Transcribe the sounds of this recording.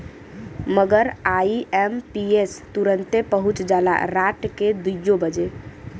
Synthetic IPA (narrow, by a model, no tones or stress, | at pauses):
məɡəɾaiʔɛmpiest̪uɾənt̪epəɦut͡ʃd͡ʒala̰ɾaʈked̪ujobəd͡ʒe